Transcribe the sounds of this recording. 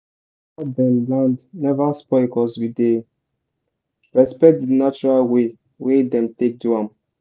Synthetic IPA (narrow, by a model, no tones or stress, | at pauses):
adɛ̃mblãndnɛvaspɔɪkɔswide | ɹɛspɛk̚t̚dinat͡ʃuɹalwe | wedɛ̃mtek̚duãm